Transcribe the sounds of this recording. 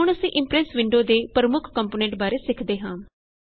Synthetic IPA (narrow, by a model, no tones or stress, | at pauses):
ɦʊɳ̃əsĩːʔɪ̃mpɾɛsʋɪɳɖoːd̪eːpəɾəmʊkʰkəmpoːnɛ̃ɳʈbaːɾeːsɪkʰd̪eːɦãː